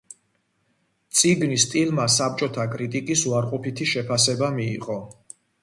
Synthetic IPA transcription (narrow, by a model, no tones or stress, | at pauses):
t̪sʼiɡnist̪ʼilmasap̚t͡ʃʼɔt̪ʰakʼɾit̪ʼikʼisuaɾqʼɔpʰit̪ʰiʃɛpʰasɛbamiːqʼɔ